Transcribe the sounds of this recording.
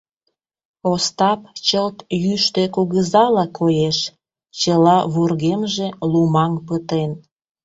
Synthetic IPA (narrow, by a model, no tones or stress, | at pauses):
ost̪ɑpt͡ɕəlt̪jyʃt̪ekuɣəzɑlɑkʰojeʃ | t͡ɕəlɑβurɣemʒelumɑŋpət̪en